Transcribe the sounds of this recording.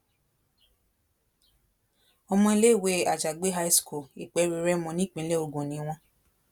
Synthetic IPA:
ɔ˧mɔ̃˧i˧le˦i˦˨we˨˦a˨d͡ʒa˨ɡ͡be˦ɦa˦i˦sku˨i˨k͡pɛ˨˧˦ɾi˨˧ɾɛ˦mɔ̃˨nĩ˦k͡pĩ˨˦le˦o˧ɡõ˨nĩ˨˦w̃ɔ̃˧

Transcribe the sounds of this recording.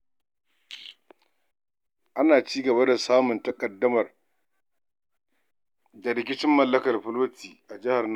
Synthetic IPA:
ʔa˦naː˨t͡ʃiː˦ɡɐ˨ba˦da˨saː˦mʊ˨ntɐ˨kʼɐ˨dːɐ˦mɐ˨r | da˨ɾɪ˦k̬ʲɪ˦t͡ʃɪ˦mːɐ˨lːɐ˦kɐ˨rɸʊ˦loː˦tʰiː˨ʔa˨d͡ʒɪ˦ha˨rn

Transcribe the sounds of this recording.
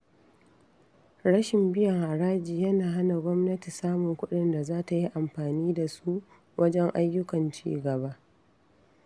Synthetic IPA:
ɽɐ˦ʃɪ˨mbɪ˦jɐ˨ŋʔa˨ɽaː˦d͡ʒiː˨jɐ˦naː˨ɦa˦na˨ɡʷɔ˦mnɐ˦ti˨saː˦mʊ˨ŋkʷʊ˦ɗɪ˨nda˨zaː˦ta˨ji˦ʔa˨mɸaː˨niː˦da˨su˦ | wʔɐ˦d͡ʒɛ˦ŋʔa˦jːʊ˦kɐ˨nt͡ʃḭː˦ɡɐ˨βa˦ʔ

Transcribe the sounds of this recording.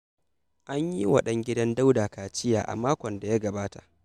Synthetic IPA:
ʔa˦ɲji˦wɐ̰˦ɗɐ˦ŋɡʲɪ˦dɐ˦nda˦wdaː˨kaː˨t͡ʃɪ˦ja̰ː˨ʔa̰˨maː˦kʷɔ˨nda˨ja˦ɡɐ˨baː˦ta̰˨ʔ

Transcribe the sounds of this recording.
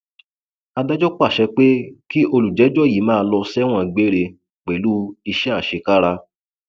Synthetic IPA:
a˧da˦d͡ʒɔ˦k͡pa˦˨ʃɛ˧k͡pe˦ki˦ʔo˧lu˨d͡ʒɛ˨˦d͡ʒɔ˦˨ji˨˦mãː˦˧lɔ˧sɛ˦w̃ɔ̃˧˨ɡ͡be˨˦ɾe˧ | k͡pe˨lu˦i˧ʃɛ˦a˦˨ʃe˧ka˦ɾa˧

